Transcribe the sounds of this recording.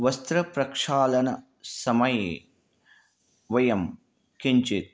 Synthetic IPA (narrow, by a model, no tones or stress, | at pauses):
ʋɐst̪ɾɐpɾɐkʂaːlɐnɐ | sɐmɐjeː | ʋɐjɐm | kiɲt͡ʃet̪̚